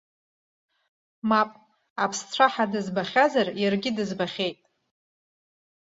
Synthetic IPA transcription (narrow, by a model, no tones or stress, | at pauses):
mapʼ | apʰst͡sʷʰaħadɨzbaχʲazarjarɡʲɪdɨzbaχʲe̞jtʼ